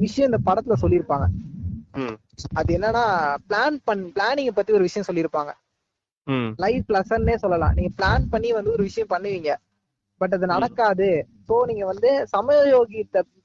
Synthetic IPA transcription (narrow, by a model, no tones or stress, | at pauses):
ʋɪʂɐjɐ̃ɪnd̪ɐpɐɽɐt̪ːɪlɐsɔlːɪɾɯpːaːŋɡɐ | ɐðɯɛnːɐnaːpɭaːnpɐɳːpɭaːnɪ̃ŋɡɛpɐt̪ːiɔɾɯʋɪʂɐjɐ̃sɔlːɪɾɯpːaːŋɡɐ | lɐɪflɐsɐnːeːsɔlːɐlã̰ːniːŋɡɐplaːnpɐɳːiʋɐnd̪ɯɔɾɯʋɪʂɐjɐ̃mpɐɳːɯʋiːŋɡɐ | bɐʈ̬ːɐðɯnɐɽɐkːaːðɯ | soːniːŋɡɐʋɐnd̪ɯsɐmɐjoːɣɪɐt̪ːɐ